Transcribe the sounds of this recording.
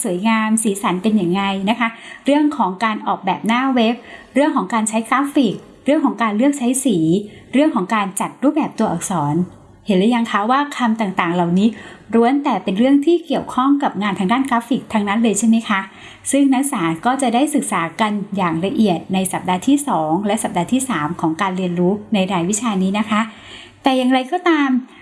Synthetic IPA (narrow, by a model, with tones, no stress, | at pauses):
su˨˩˦jŋaː˧msiː˩˦sa˩˦npe˧njaː˨˩ŋːa˧jna˦˥kʰa˦˥ɾɯ˥˩əŋkʰɔː˩˦ŋkaː˧nʔɔː˨˩k̚bɛː˨˩p̚naː˥˩we˦˥p̚ | ɾɯ˥˩ŋkʰɔː˩˦ŋkaː˧nt͡ɕʰa˦˥jkɾaː˦˥fi˨˩k̚ | ɾɯ˥˩əŋkʰɔː˩˦ŋkaː˧nlɯ˥˩ək̚t͡ɕʰa˦˥jsiː˩˦ | ɾɯ˥˩əŋkʰɔː˩˦ŋkaː˧nt͡ɕa˨˩t̪̚ɾuː˥˩bɛː˨˩p̚t̪u˧ɐʔɔ̰ː˨˩k̚sɔː˩˦n | he˨˩˦nlaː˧˦ja˧ŋkʰa˦˥waː˥˩kʰa˧mt̪aː˨˩ŋt̪aː˨˩ŋla˨˩wniː˦˥ɾu˧˥ənt̪ɛː˨˩pe˧nɾɯ˥˩əŋt̪ʰiː˥˩ki˨˩əwkʰɔ˥˩ŋka˨˩p̚ŋaː˧nt̪ʰa˧˥ŋdaː˥˩nkɾaː˦˥pfi˨˩k̚t̪ʰa˧ŋna˦˥nlɤː˧jt͡ɕʰa˥˩ma˦˥jkʰa˦˥ | sɯ˥˩ŋna˦˥ksaː˩˦nkɔː˥˩t͡ɕa˨˩daː˥˩jsɯ˨˩k̚saː˩˦ka˧njaː˨˩ŋɾa˧ʔi˨˩ət̪̚na˧jsa˨˩p̚daː˧t̪ʰiː˥˩sɔː˩˦ŋlɛ˦˥ʔsa˨˩p̚daː˧t̪ʰiː˥˩saː˩˦mkʰɔː˩˦ŋkaː˧nɾi˧ənɾuː˦˥na˧jɾaː˧jwi˦˥t͡ɕʰaː˧niː˦˥na˦˥kʰa˦˥ | t̪ɛː˨˩ja˨˩ŋɾa˧jkɔː˥˩t̪aː˧m